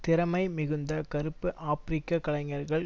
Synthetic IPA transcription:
t̪ɪɾɐmɐɪmɪɣɯnd̪ɐkɐɾɯpːɯʔaːfɾɪkːakɐlɐŋɐɾɣɐɭ

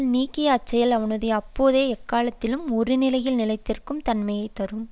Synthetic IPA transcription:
lniːkːɪjɐːt͡ʃːɐjɐlɐʋɐnɯðɐɐpːoːðeːɛkːaːlɐt̪ːɪlɯmɔɾɯnɪlɐjɪlnɪlɐɪt̪ːɪrkɯmt̪ɐnmɐjɐɪt̪ːɐɾɯm

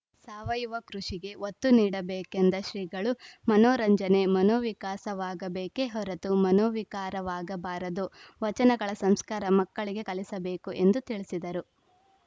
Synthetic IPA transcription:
saːʋɐjuʋɐkɾuʂiɡe̞ʋot̪ːuniːɽɐbeːkend̪ɐʃɾiːɡɐɭumɐnoːɾɐɲd͡ʒɐne̞mɐnoːʋikaːsɐʋaːɡɐbeːke̞ɦɔɾɐt̪umɐnoːʋikaːɾɐʋaːɡɐbaːɾɐd̪uʋɐt͡ʃɐnɐɡɐɭɐsɐmskaːɾɐmɐkːɐɭiɡe̞kɐlisɐbeːkuʔe̞nd̪ut̪iɭisid̪ɐɾu

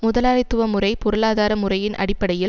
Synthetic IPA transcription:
mʊðɐlaːɾɐɪt̪ːɯʋɐmɯrɐɪpɔɾɯlaːðaːɾɐmʊrɐjɪnʔɐ̰ɽɪpːɐɽɐjɪl

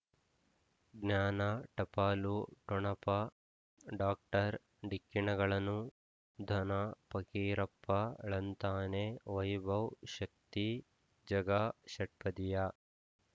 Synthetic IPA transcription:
ɡnjaːnɐʈɐpaːluʈɔɳɐpɐ | ɖaːk̚ʈɐɾ | ɖikːiɳɐɡɐɭɐnu | d̪ʱɐnɐpɐkiːɾɐpːɐɭɐnt̪aːneʋɐjbʱɐwʃɐk̚t̪i | d͡ʒɐɡaʃɐʈ̚pɐd̪ija

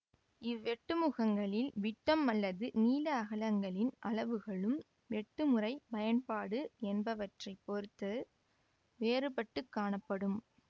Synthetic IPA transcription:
ɪʋːɛʈːɯmɯɣɐŋɡɐɭɪlʋɪʈːɐmɐlːɐðɯniːlɐːɣɐlɐŋɡɐɭɪnʔɐɭɐʋɯɣɐɭɯm | ʋɛʈːɯmɯrɐɪpɐjɐnpaːɽɯɛnbɐʋɐʈrɐɪpːɔɾɯt̪ːɐ | ʋeːrɯpɐʈːɯkːaːɳɐpːɐɽɯm

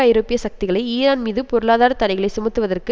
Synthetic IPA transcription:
aːjɾoːpːɪjɐsɐk̚t̪ɪɣɐɭɐɪiːɾaːnmiːðɯpɔɾɯɭaːðaːɾɐt̪ɐɽɐɪɣɐɭɐɪsʊmɐt̪ːɯʋɐðɐrkɯ

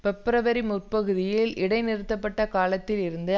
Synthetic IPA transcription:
pɛpːɪɾɐʋɐɾimʊrpɐɣɯðɪjɪlɪɽɐɪnɪɾɯt̪ːɐpːɐʈːɐkaːlɐt̪ːɪlɪɾɯnd̪ɯ

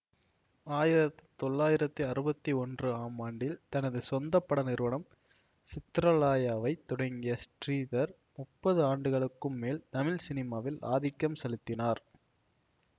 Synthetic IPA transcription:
aːjɪɾɐt̪ːi̥t̪ɔɭːaːjɪɾɐt̪ːiɐɾɯbɐt̪ːiɔndrɯaːmaːɳɖɪlt̪ɐnɐðɯsɔnd̪ɐpːɐɽɐnɪɾɯʋɐnɐm | t͡ʃɪt̪ɾɐlaːjaːʋɐɪt̪ːɔɽɐŋɡɪjɐsʈriːðɐɾ | mʊpːɐðɯaːɳɖɯɣɐɭɯkːɯmːeːlt̪ɐmɪlsɪnɪmaːʋɪla̰ːðɪkːɐmsɐlɪt̪ːɪnaːɾ

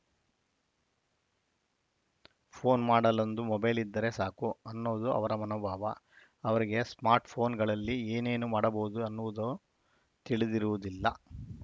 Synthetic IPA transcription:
pʰo̞ːnmaːɽɐlɐnd̪umɔbɐjlid̪ːɐɾe̞saːkuɐnːoːd̪uɐ̰ʋɐɾɐmɐnɐːbʱaːʋɐ | ɐʋɐɾiɡe̞smaːɾʈpʰo̞ːnɡɐɭɐlːieːne̞ːnumaːɽɐboːud̪uɐnːuʋud̪o | t̪iɭid̪iɾuʋud̪ilːɐ

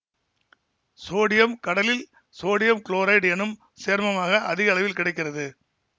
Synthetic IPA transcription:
soːɽɪjɐmkɐɽɐlɪl | soːɽɪjɐmkɭoːɾɐɪʈɛnɯm | seːɾmɐmaːɣɐʔɐðɪɣɐːɭɐʋɪlkɪɽɐɪkːɪrɐðɯ

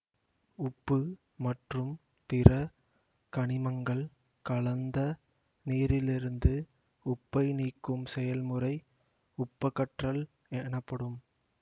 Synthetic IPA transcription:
ʊpːɯ | mɐʈrɯm | t̪ɪɾɐ | kɐɳɪmɐŋɡɐɭ | kɐɭɐnd̪ɐ | niːɾɪlɪɾɯnd̪ɯ | ʊpːɐɪniːkːɯmsɛjɐlmɯrɐɪ | ʊpːɐkːɐʈrɐl | ɛnɐpːɐɽɯm

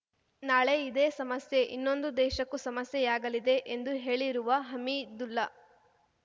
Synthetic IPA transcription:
naːɭe̞id̪eːsɐmɐsje̞ʔḭnːo̞nd̪ud̪ɛːʃɐkːusɐmɐsjɛjaːɡɐlid̪e̞ʔend̪uɦe̞ːɭiɾuʋɐɦɐmid̪ulːɐ

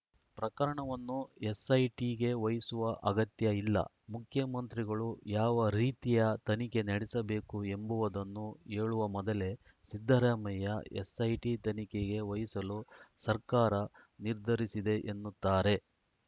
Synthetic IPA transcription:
pɾɐkɐɾɐɳɐʋɐnːuesɐjʈiɡe̞ʋɐjisuʋɐʔɐɡɐt̪jɐilːɐ̰ | mukʰjɐmɐnt̪ɾiɡɐɭujaːʋɐɾiːt̪ijɐt̪ɐnike̞nɐɽɛsɐbe̞ːkue̞mbuʋɐd̪ɐnːue̞ːɭuʋɐmɔd̪ɐle̞ | sid̪ʱːɐɾaːmɐjɐḛsɐjʈit̪ɐnike̞ɡe̞ʋɐjisɐlusɐɾkaːɾɐ | niɾd̪ʱɐɾisid̪e̞ʔenːut̪ːaːɾe̞

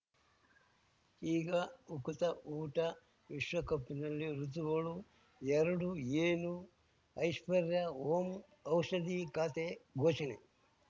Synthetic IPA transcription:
iːɡɐukut̪ɐʔuːʈɐ | ʋiʃʋɐkɐpːinɐlːiɾut̪uɡɐɭu | jɛɾɐɽueːnu | ɐjʂpɐɾjɐoːm | ɐwʂɐd̪ikaːt̪eɡʱoːt͡ʃɐɳḛ

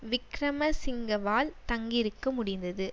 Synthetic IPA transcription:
ʋɪkɾɐmɐsɪŋɡɐʋaːlt̪ɐŋɡɪɾɯkːɐmʊɽɪnd̪ɐðɯ

